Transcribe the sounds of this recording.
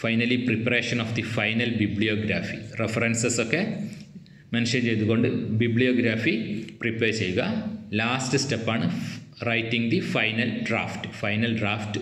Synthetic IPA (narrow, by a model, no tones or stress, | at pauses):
fɐjnɐlipripːɐɾe̞ːʂɐnɔːfd̪ifɐjnɐlbibɭijoːɡɾa̰ːfirefɐɾensesokːe̞ | mɐnʂɐnt͡ɕe̞jt̪uɣo̞ɳɖɨbiblijoːɡɾaːfipripːeːɾt͡ɕejːuɣɐlaːstɨstepːaːɳɨrɐjtːiŋd̪ifɐjnɐlɖra̰ːfʈfɐjnɐlɖraːfʈ